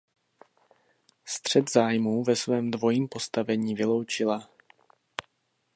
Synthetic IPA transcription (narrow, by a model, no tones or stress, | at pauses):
st̪r̥ɛd̪zaːjmuːvɛsvɛːmdvo̞jiːmpo̞st̪avɛɲiːvɪlo̞wt͡ʃɪla